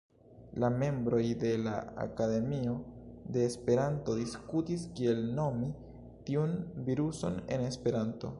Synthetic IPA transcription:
lame̞mbɾo̞jde̞laa̰kade̞mio̞de̞ːspe̞ɾanto̞diskutiskie̞lno̞mi | tiunviɾuso̞̰ne̞̰ne̞spe̞ɾanto̞̰

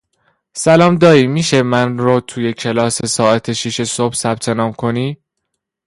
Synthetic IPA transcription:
sælɒːmd̪ɒːɾiːmiːʃe̞mænɾot̪ʰuːje̞cʰe̞lɒːsesɒːʔæt̪ʰe̞ʃiʃe̞sob̥sæb̥̚t̪ʰe̞nɒːmkʰo̞niː

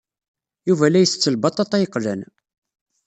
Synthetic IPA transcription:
juvælæjəθt͡sːəlbɑt̪ˤːɑt̪ˤæjəqːlæ̰n

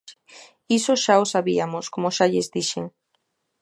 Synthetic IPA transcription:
isoʃaosaβiamoskomoʃaʎezdiʃeŋ

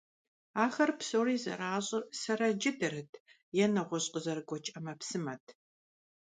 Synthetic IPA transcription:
aːxɐrpsowriːzɐ̰raːɕʼɪsɐɾɐd͡ʒɪdɨrɨtʰ | jɛnɐʁʷɔɕʼqəzɐrɡʷɔt͡ʃʼɐmɐpsɨmɐtʰ

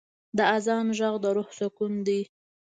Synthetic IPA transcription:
d̪əazɑnʒaɣd̪əɾʊhsakund̪i

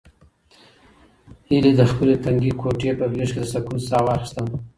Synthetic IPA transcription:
hiled̪əxpəlet̪aŋɡikʰoʈepəɡeʂkʲed̪əsakunsɑwɑxi̥st̪əm

